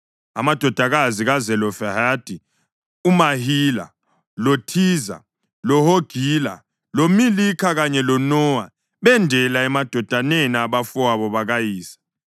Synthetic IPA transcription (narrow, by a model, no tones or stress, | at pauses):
amad̥ʱɔd̥ʱaɣ̬aziɣazɛlɔfɛhad̥ʼʱi | umahiːla̰ | lotʰiːza̰ | lɔhoɡ̥ʱiːla̰ | lomilikʰak̬aɲɛlɔnɔːwa | ɓɛndʱɛlaɛmad̥ʱɔd̥ʱanɛnaɓafɔaɓɔɓaɣ̬ajiːsḁ